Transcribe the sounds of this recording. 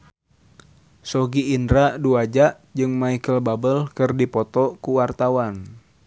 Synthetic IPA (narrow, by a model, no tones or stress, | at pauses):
sɔɡiːndɾaʔduad͡ʒaʔ | d͡ʒɨŋmaikəlbabəlkɨrdipɔt̪ɔkuwart̪awan